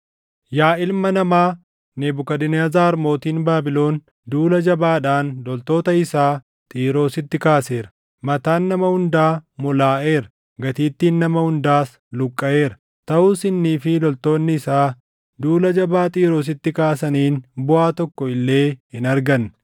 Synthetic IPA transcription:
jaːʔɪlmɐnɐmaː | neːbʊkɐd̪ɪnaːzaːɾmo̞ːt̪iːnbaːbɪlo̞ːn | d̪uːlɐd͡ʒɐbaːᶑaːnlɔlt̪o̞ːt̪ɐɪsaː | t̪ʼiːɾo̞ːsɪt̪ːɪkaːse̞ːɾɐ | mɐt̪aːnːɐmɐhʊnd̪aːmʊlaːʔe̞ːɾɐ | ɡɐt̪iːt̪ːiːnːɐmɐhʊnd̪aːs | lʊkʼːɐʔe̞ːɾɐ | t̪ɐʔuːsɪnːiːfɪlɔlt̪o̞ːnːɪɪsaː | d̪uːlɐd͡ʒɐbaːt̪ʼiːɾo̞ːs̬ɪt̪ːɪkaːsɐniːnbʊaːt̪ɔkːɔɪlːe̞ːhɪnɐɾɡɐn

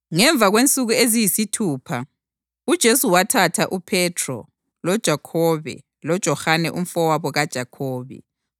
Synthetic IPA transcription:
ŋɛɱb̪vʱaɣwent͡sʼuɣuezijisitʰuːpʰa | ud̥ʒ̥ʱesuwatʰatʰaʔupʰɛtʰrɔ̰ | lɔd̥ʒ̥ʱakʰɔβɛ̰ | lɔd̥ʒ̥ʱɔhanɛ̰ʔum̩fɔwaβɔɣad̥ʒ̥ʱakʰɔːβɛ̰

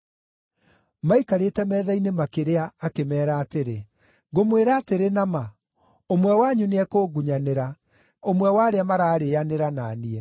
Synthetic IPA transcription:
maikaɾetɛmɛːðainemakeɾeaːkemɛːɾaːteɾe | ɡomweɾaːteɾenama | omwɛwaɲuneɛkoːɡuɲaneɾa | omwɛwaɾeamaɾaːɾeːaneɾanaːniɛ

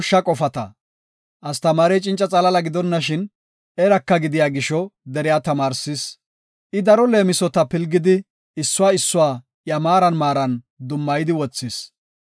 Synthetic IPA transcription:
ʃːɐkʼɔfɐt̪ɐ̰ | ʔɐst̪ɐmaːɾejt͡ʃʼɪnt͡ʃʼɐt͡sʼɐlɐlɐɡɪd̪ɔnːɐʃɪn | ɛɾɐkːɐɡɪd̪ɪjaːɡɪʃɔd̪ɛɾɪjaːt̪ɐmaːɾsɪs | ʔɪd̪ɐɾɔle̞ːmɪsɔt̪ɐpɪlɡɪd̪ɪ | ɪsːʊwaːɪsːʊwaː | jɐmaːɾɐnmaːɾɐn | d̪ʊmːɐjɪd̪ɪwɔt͡sːɪs

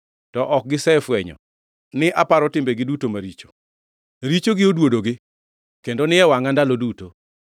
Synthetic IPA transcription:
tɔʔɔk̚ɡɪsɛfwɛɲɔ̰ | nɪʔapaɾɔtɪmbeɡɪdutomaɾit͡ʃo̥ | ɾit͡ʃoɡɪodwodoɡɪ | kendonɪɛwaŋandaloduto

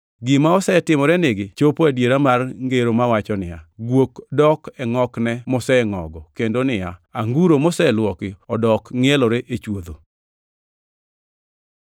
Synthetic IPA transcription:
ɡɪmaɔsɛtɪmɔɾɛnɪɡɪt͡ʃopoadjeɾamarŋɡeɾomawat͡ʃɔnɪ̰ja̰ɡwokdɔkɛŋɔknɛmɔsɛɛŋɔ̰ɡɔkendonɪjaaŋɡuɾomɔsɛlwɔkɪɔdɔkŋɛlɔɾeʔet͡ʃwod̪o

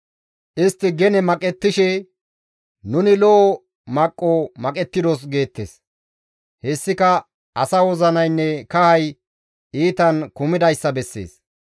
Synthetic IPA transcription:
ʔɪst̪ːɪɡɛnɛmɐkʼɛt̪ːɪʃɛ | nʊnɪlɔ | mɐkʼːomɐkʼɛt̪ːɪd̪os̬ɡe̞ːt̪ːḛːs | hɛsːɪkɐ | ʔɐsɐwɔzɐnɐjnːɛkɐhɐj | iːt̪ɐnkʊmɪd̪ɐjsːɐbɛsːḛːs

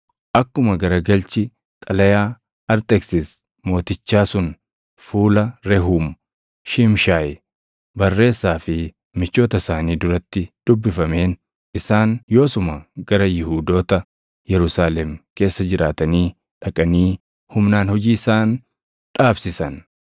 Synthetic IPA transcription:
ʔɐkːʊmɐɡɐɾɐɡɐlt͡ʃɪ | t̪ʼɐlɐjaː | ɐɾt̪ʼɛksɪs | mo̞ːt̪ɪt͡ʃːaːsʊn | fuːlɐɾɛɦuːm | ʃɪmʃaːj | bɐrːe̞ːsːaːfɪ | mɪt͡ʃːo̞ːt̪ɐsaːniːd̪ʊɾɐt̪ːɪd̪̥ʊbːɪfɐme̞ːn | ʔɪsaːnjo̞ːsʊmɐɡɐɾɐjɪhuːd̪o̞ːt̪ɐ | jɛɾʊsaːlɛmke̞ːsːɐd͡ʒɪɾaːt̪ɐniː | ᶑɐkʼɐniː | hʊmnaːnhɔd͡ʒiːsaːn | ᶑaːbsɪsɐn

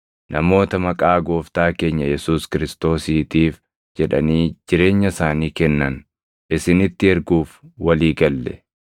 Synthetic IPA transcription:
nʔɐmo̞ːt̪ɐmɐkʼaːɡo̞ːft̪aːke̞ːɲːɐjɛsuːskɪɾɪst̪o̞ːsiːt̪iːf | d͡ʒɛᶑɐ̰niːd͡ʒɪɾe̞ːɲːɐsaːniːkɛnːɐn | ʔɪsɪnɪt̪ːɪɛɾɡuːfwɐliːɡɐlːɛ̰

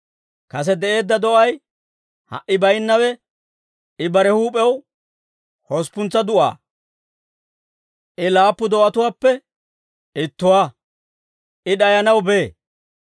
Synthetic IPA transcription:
kɐs̬ɛd̪ɛʔe̞ːd̪ːɐd̪ɔʔɐj | hɐ̰ʔːɪbɐjnːɐwɛ | ɪbɐɾɛhuːpʼɛw | hɔspʊnt͡sːɐd̪ʊʔa̰ː | ʔɪlaːpːʊd̪ɔʔɐt̪ʊwaːpːɛ | ɪt̪ːʊwaː | ʔɪɗɐjɐnɐwbe̞ː

